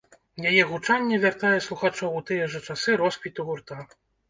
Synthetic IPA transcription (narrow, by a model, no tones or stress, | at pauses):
jajɛɣut͡ʂanʲːɛvʲart̪ajɛslˠuxat͡ʂɔwut̪ɨjɛʐɛt͡ʂasɨɾɔspʲit̪uɣurt̪a